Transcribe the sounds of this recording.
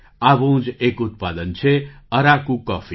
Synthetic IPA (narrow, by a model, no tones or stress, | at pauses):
abũːd͡ʒekut̪̚pad̪ənt͡ʃʰeəɾakũkɔfʰi